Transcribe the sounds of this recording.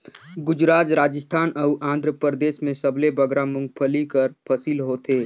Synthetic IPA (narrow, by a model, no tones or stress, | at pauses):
ɡʊd͡ʒɾaːt̪ɾaːd͡ʒəst̪ʰaːnɐuʔãːnd̪ʱɾəpɾəɾd̪eːʃmẽsɐblebəɡɾamʊ̃ŋɡpʰəlikəɾpʰəsiːlɦoːt̪eː